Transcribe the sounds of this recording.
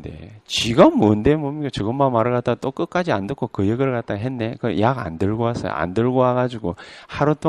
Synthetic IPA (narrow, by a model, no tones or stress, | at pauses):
de̞̰t͡ɕiɡʌmːondemomikat͡ɕɯɡɯmːanmaɾɯɭkat͈̚at͈ok͈ɯk͈ad͡ʑiandɯkʰokɯjeɡɯɭkat̚t͈aɦenːe̞kɯjaɡa̰ndɯɭɡoas͈ʌ̰jo̰ʔa̰ndɯɭɡohaɡad͡ʑuɡohaɾut͈ʰo